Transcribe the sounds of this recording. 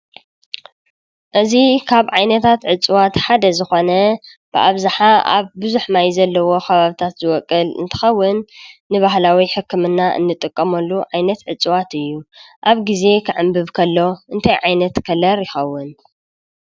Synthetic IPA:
ʔɨzikʰaβʕajnɐt̪ʰat̪ʕɨt͡sʼɨwat̪ħad̪ɐzɨxo̞nɐ | b̥ɨʔaβzaħaʔa̰βbɨzuħmajzɐlːɐwo̞kʰɐβaβɨt̪ʰat̪zɨwɔkʼːɨlɨ̰nt̪ʰɨ̥xɐwːɨnːɨβahlawiħɨkːɨmɨnːaʔɨ̰nːɨt̪ʼɨkʼːɐmɐlːuʕajnɐt̪ʕɨt͡sʼɨwat̪ɨjːuʔaβɡize̞kʰɨʕɨmbɨβkʰɐlːo̞ʔɨnt̪ʰajʕajnɐt̪kʰɐlɐɾjɪxɐwːɨn

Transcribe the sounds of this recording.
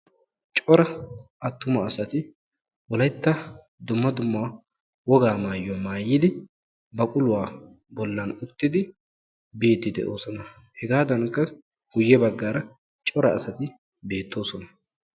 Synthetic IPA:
t͡ʃʼɔɾɐʔɐt̪ːʊmɐːsɐt̪ɪ | wɔlɐjt̪ːɐ | d̪ʊmːɐd̪ʊmːa | wɔɡaːmaːjːɔmaːjːɪd̪ɪ | bɐkʼʊlʊwaː | bɔlːɐnʊt̪ːɪd̪ɪ | be̞ːt̪ːɪd̪ɛ̰ʔoːsɔnɐ | hɛɡaːd̪ɐnkːɐ | ɡ̥ʊjːɛbɐɡːaːɾɐ | t͡ʃʼɔɾɐːsɐt̪ɪ | be̞ːt̪ːo̞ːsɔnɐ

